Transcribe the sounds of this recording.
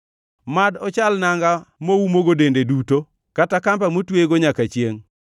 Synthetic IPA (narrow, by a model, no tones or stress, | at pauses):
madɔt͡ʃalnaŋɡamoumoɡodendeduto | katakampamotweɡoɲakat͡ʃjeŋ